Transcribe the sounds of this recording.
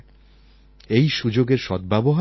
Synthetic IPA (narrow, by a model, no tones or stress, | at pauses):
ejʃud͡ʑoɡeɾʃɔd̪̚bɛboɦa